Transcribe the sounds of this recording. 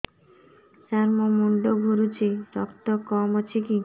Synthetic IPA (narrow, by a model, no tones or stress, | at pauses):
t͡ɕaɾmomuɳɖoɡʱuɾut͡ɕiɾɔkt̪okɔmot͡ɕʰiki